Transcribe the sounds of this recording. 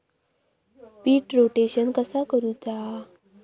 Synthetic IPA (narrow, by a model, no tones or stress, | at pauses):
piːʈɾoʈeɕənkəsakəɾud͡zaɦ